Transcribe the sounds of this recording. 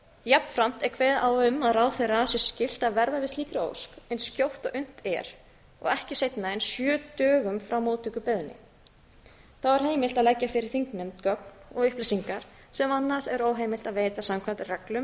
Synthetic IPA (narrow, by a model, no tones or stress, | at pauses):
japnfɾam̥t̪ɛɾkʰvɛːðaːwʏmaðraːwθejrasjɛscɪl̥t̪aðvɛɾðavɪsliːkɾɪo̰wskɛnscowht̪ɔɣʔʏn̥t̪ɛ̰ɾ̥ | ɔ̰ɣɛhcɪsejt̪naɛnsjœːt̪œːɣʏmfɾawmowt̪ʰʏkʏpɛðnɪ̰ | θawɛɾ̥ɦeːjmɪlt̪aðlɛcːafɪɾɪɾ̥θiŋknɛmt̪kœk̚nɔɣʏhplɪsiŋkaɾ̥ | sɛmanːaɾ̥sɛɾoːwɦeːjmɪl̥t̪aðveːjt̪asamkʰvant̪ɪrɛklʏm